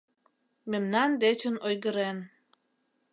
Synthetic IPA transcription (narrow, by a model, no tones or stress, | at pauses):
memnɑnd̪et͡ɕənojɣəɾen